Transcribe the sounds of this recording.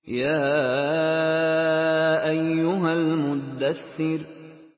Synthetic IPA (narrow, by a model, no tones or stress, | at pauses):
jaː | ʔajːʊɦalmʊd̪aθːɪɾ